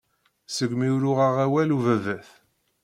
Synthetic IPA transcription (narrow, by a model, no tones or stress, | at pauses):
səɡmiɾʊʁəʁæwæluvævæθ